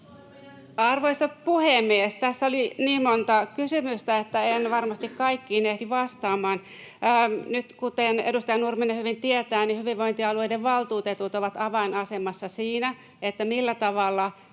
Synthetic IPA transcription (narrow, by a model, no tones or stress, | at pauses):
ɑrʋoisɑpuhemːiest̪æsːoliniːmmont̪ɑkysymyst̪æet̪ːæenʋɑrmɑst̪ikkɑikːiːnehdiʋɑst̪ɑːmɑːnː | nyt̪kut̪enḛdust̪ɑjɑnurmenːehyʋint̪iet̪æːnihyʋiʋʋoint̪iɑlueideʋʋɑlt̪uːt̪et̪ut̪oʋɑt̪ɑʋɑinɑsemɑsːɑsiːnæ | et̪ːæmilːæt̪ɑʋɑlːɑ